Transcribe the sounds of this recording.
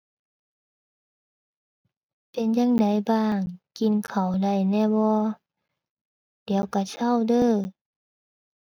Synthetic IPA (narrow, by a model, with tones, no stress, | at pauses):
pe˧˨njaː˧˥˨ŋda˨˩˦jbaː˧˩ŋki˨˩nkʰa˨˩wda˧˩jnɛː˧˩bɔː˧ | diː˨˦əwka˧˩sʰa˧˥˩wdɤː˧˩˨